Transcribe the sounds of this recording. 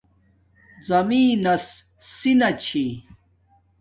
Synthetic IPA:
zɐmiːnɐs | sinɐt͡ɕʰi

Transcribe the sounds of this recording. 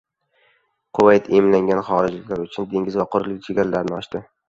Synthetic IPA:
qʰʊwajt̪ʰemlaŋɡʲanχɒɾɪd͡ʒlɪkʲlaɾʊt͡ʃʰʊnd̪e̞ŋʲɪzvaqʰʊɾlɪkʲt͡ʃʰe̞ɡʲaɾalaɾnɪɒʃt̪ɪ

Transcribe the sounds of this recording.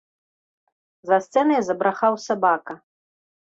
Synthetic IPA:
zɐst̪sɛnɐjzɐbɾaχawsabakɐ

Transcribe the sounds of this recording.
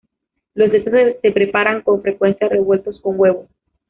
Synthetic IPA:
lo̞zd̪et̪osse̞pɾe̞paɾaŋko̞ɱfɾe̞kwe̞nsjare̞βwe̞lt̪o̞sko̞ŋɡwe̞βo

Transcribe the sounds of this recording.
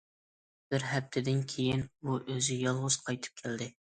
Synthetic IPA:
b̥ɪɾɦɛp̚t̪ʰɪd̪ɪnkʲʰejinuʔøzɪjɑlˠʁʊz̥qʰɑjt̪ʰɨ̥p̚kʲʰæld̪ɪ

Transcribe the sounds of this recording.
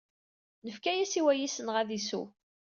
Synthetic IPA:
nəfkæjæsiwæjisənʁæðisṵ

